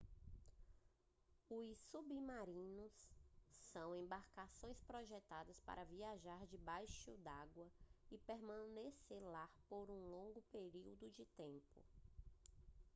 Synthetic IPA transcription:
ʊsubimaɾĩnʊsː | ɐ̃w̃ẽmbaɾkasõj̃spɾɔʒɛt̪ad̪ɐspa̰ɾɐviaʒaɾd͡ʒɪbajʃʊ̰d̪aɡwɐɪpeɾmɐ̃neselapoɾũlõŋɡʊpeɾiwd̪ʊd͡ʒɪt̪ẽmpʊ̰

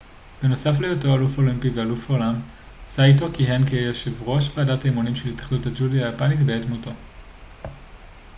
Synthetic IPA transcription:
b̥e̞no̞saflejotoalufo̞limpivealufaolam | sajto̞kiɦenkejjoʃevʁo̞ʃbaːdataimunimʃelitaχduthad͡ʒudiajapanitbeetmuto

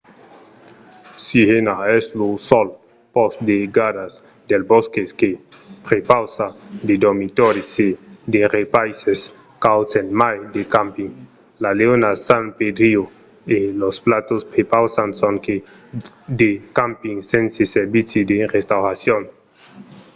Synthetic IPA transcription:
sihenaeslosol | posd̪eɡaɾas | d̪elboskeske | pɾepawsad̪ed̪omit̪oɾesed̪erepajses | kawt͡senmajd̪ekampiŋ | laleonasanped̪ɾio | elosplat̪ospɾepawsansoŋke | d̪ekampiŋsenseseɾbit͡sid̪erest̪awɾasjon

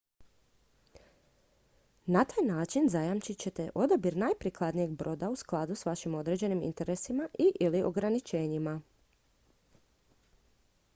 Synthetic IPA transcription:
nat̪aːjnaːt͡ʃinzajamt͡ʃit͡ɕe̞t̪e̞ʔo̞d̪abiɾnajpɾiklˠad̪nije̞ɡ̚bɾo̞ːd̪ausklˠad̪usʋaʃimo̞d̪ɾe̞d͡ʑe̞nimḭnt̪e̞ɾesimaʔiʔiliʔo̞̰ɡɾanit͡ʃe̞ːɲima

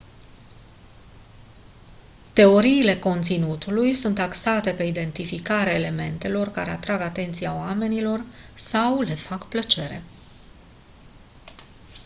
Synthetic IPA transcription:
t̪e̞o̞ɾiːle̞ko̞nt̪sinut̪ulujsunt̪aksat̪e̞pe̞id̪e̞nt̪ifikaɾeaele̞me̞nt̪e̞lo̞rkaɾe̞at̪ɾaɡat̪e̞nt̪sijaoame̞nilo̞rsawle̞fakplət͡ʃe̞ɾe̞̰

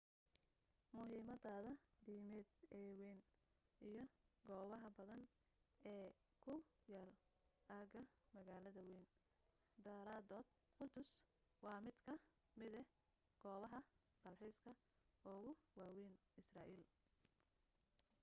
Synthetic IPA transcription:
mʊɦiːmɐd̪aːðɐd̪iːmɛd̪ɛːwɛːn | ʔijɞɡɔːβɐɦɐbɐðɐn | ʔɛː | kʰʊjaːlʔaːɡɐmɐɣaːlɐðɐwɛːn | d̪ɐɾaːd̪ɔːd̪̥̚ | qʊd̪ʊswɑːmɪd̪kʰɐ | mɪðɛ | ɡ̥ɔːβɐɦɐ | ɡ̪̥ɐlħiːskʰɐ | ɔːɣʊwaːwɛːn | ɪsraːʔiːl

